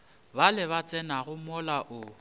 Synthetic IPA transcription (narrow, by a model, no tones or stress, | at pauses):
balɪβat͡sʼɛnaɣʊmɔlaʔʊ